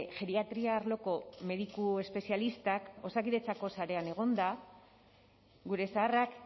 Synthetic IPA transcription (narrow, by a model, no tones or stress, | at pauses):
ʝe̞ɾiat̪ɾiaːrlo̞ko̞me̞ðikue̞spe̞sialist̪ako̞sakiðe̞t͡sako̞saɾe̞ane̞ɣ̞o̞nd̪a | ɡuɾe̞saːrak